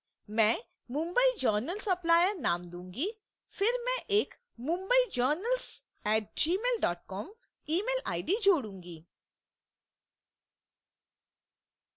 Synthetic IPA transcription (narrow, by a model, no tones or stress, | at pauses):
mɛ̃ | mũmbəid͡ʒəɾnəlsɐplaːjəɾnaːmd̪ũŋɡi | fʰɪɾmɛ̃ʔeːk | mũmbəid͡ʒəɾnəls | ɛːʈ̚d͡ʑiːmeːlɖɔːʈ̚kɔm | iːmeːla̰ːjɖid͡ʒoːɽũŋɡi